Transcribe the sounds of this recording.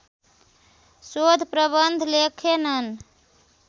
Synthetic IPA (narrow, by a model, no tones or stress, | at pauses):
sod̪ʱpɾəβənd̪ʱlekʰenən